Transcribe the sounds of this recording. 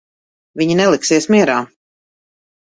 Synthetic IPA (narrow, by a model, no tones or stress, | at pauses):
viɲinɛlˠiksiɛsmiɛɾaː